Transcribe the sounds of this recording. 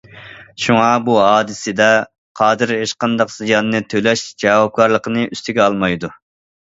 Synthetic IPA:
ʃuŋɑbuɦɑːd̪ɨsɪd̪ɛ | qʰɑːd̪ɨɾɦeʃqɑnd̪ɑqzijɑnːɨt̪ʰølɛʃd͡ʒɛwɑb̚ɡɑɾlˠəqənɨʔyst̪ɪɡʲɛɑlˠmɑjd̪u

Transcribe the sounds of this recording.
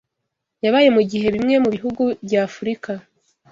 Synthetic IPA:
jaβaːje̞muɟiɦe̞βimŋe̞muβiɦuɡubɟaːfuɾika

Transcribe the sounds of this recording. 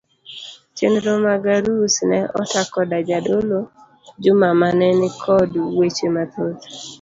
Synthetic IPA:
t͡ʃendɾomaɡaɾusnɛʔɔtakɔdad͡ʒadolo | d͡ʒʊmamanɛnɪkʰɔdwet͡ʃemat̪ot

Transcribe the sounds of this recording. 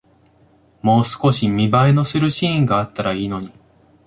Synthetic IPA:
mo̞ːsɨ̥ko̞ɕimʲibaeno̞sɨɾɯ̟ɕĩːŋɡaːt̪ːaɾaiːno̞ɲ̟i

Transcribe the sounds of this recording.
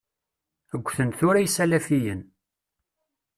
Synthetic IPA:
əɡʷːθənθʊɾæjsælæfijən

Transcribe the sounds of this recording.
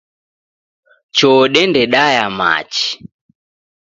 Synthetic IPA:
t͡ʃɔːɗɛndɛɗajama̰t͡ʃi̥

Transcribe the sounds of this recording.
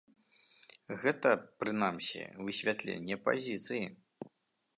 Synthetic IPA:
ɣɛt̪ɐpɾɨnamsʲḭvɨsʲvʲat̪lʲḛnʲːɛpa̰zʲit̪sɨji

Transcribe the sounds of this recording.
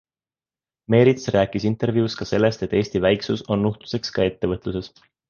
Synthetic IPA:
me̞ːɾit̪sræːkːˑisint̪ˑe̞ɾvjiuskɑse̞lːe̞st̪e̞t̪ːˑeːsʲt̪ivæjksuso̞nːuht̪u̥se̞kskɑe̞t̪ːe̞vɤt̪ˑluse̞s

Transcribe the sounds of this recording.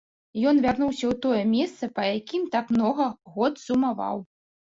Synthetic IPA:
jɔnvʲarnuwsʲɐwt̪ɔjɛmʲɛst̪sɐpɐjakʲimt̪akmnɔɣɐɣɔt̪z̥umava̰w

